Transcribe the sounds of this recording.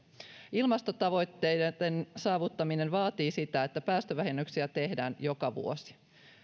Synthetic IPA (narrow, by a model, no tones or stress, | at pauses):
ilmɑst̪ot̪ɑʋo̞jt̪ːe̞jde̥ensɑːʋut̪ːɑmine̞nʋɑːt̪iːsit̪æet̪ːæpæːst̪øʋæɦenːyksiæt̪e̞ɦdæːnjo̞kɑʋṵo̞si̥